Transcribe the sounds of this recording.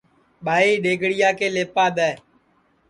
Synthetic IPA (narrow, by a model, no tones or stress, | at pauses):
ɓaːiːɗeːɡɽɪjaːkeːleːpaːɗ̪ɛː